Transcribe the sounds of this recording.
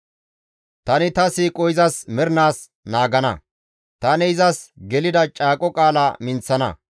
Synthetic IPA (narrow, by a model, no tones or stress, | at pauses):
t̪ɐnɪt̪ɐsiːkʼɔjɪzɐsmɛɾnaːs | naːɡɐnɐ̰ | t̪ɐnɛɪzɐsɡɛlɪd̪ɐt͡ʃʼaːkʼɔkʼaːlɐmɪnt͡sːɐnɐ̰